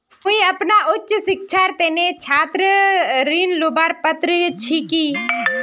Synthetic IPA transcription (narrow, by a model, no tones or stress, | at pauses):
koiɐpnaʊtːʃsɪk̚t͡ʃʰaːɾt̪enet͡ʃʰaːt̪ɾəɾiːnlobaːɾpət̪ɾət͡ʃʰikiː